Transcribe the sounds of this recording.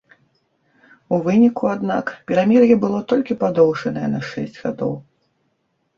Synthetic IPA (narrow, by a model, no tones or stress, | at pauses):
uvɨnʲikuad̪nakpʲɛɾamʲɛrjɐbɨlˠɔt̪ɔlʲkʲipad̪ɔwʂɐnɐjɛnɐʂɛ̰sʲt͡sʲɣa̰d̪ɔ̰w